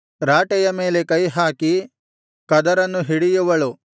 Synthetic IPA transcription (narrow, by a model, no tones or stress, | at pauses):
ɾaːʈɛjɐme̞ːle̞kɐjɦaːki | kɐd̪ɐɾɐnːuɦiɽijuʋɐɭu